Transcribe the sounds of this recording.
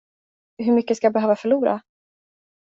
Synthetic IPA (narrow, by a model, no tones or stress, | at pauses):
ɦɵɾmʏkːəskajabɛɦøːvafœɭuːɾa̰